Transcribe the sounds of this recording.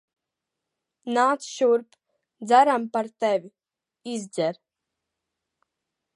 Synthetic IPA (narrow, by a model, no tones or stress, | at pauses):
naːt̪sʃuɾp | d̪zaɾampaɾt̪ɛvʲi | izd̪zɛɾ